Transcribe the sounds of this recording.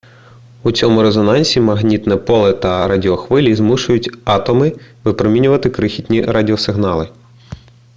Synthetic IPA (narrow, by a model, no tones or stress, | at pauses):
ut͡sʲɔmʊɾezɔnɑnʲsʲimɐɦnʲit̪nɛpɔlˠɛt̪ɐɾɑdʲiɔxʋɪlʲizmuʃʊjʊtʲɑt̪ɔmɪʋɪpɾɔmʲinʲʊʋɐt̪ɪkɾɪxʲitʲnʲiɾɑdʲiɔsɪɦnɑlˠɪ